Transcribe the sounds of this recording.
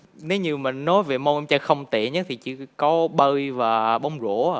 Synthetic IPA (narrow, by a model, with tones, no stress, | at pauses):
ne˨˦wɲɨ˧mi˨˩ŋnɔ˨˦jve˨˩mo˧ʔmt͡ɕa˧xə˧wŋ͡mt̪ḭ˧˨ɲə˨˦˥t̪ʰi˨˩t͡ɕɨ̰˧˥kɔ˨˦ɓə˧jvaː˨˩ɓə˨˧˦wŋ͡mzo˧˩˨